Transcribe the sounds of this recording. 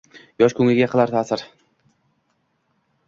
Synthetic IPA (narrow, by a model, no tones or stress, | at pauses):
jɒʃkʰɵŋlʲɪɡʲaqʰɨlˠaɾt̪ʰaːsɪɾ